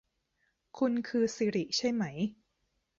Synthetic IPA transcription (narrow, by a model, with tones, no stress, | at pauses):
kʰu˧nkʰɯː˧siː˨˦ɾi˨˩ʔt͡ɕʰa˥˩jma˦˥j